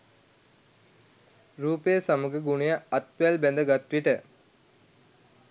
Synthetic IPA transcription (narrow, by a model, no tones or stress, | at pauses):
ɾuːpejəsaməɡəɡunejəɐt̪ʋjalbɛnd̪əɡat̪ʋiʈə